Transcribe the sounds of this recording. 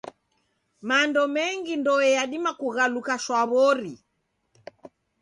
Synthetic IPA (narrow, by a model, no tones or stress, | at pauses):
mandɔmɛŋɡindɔɛjaɗimakuɣalukaʃwaβɔɾi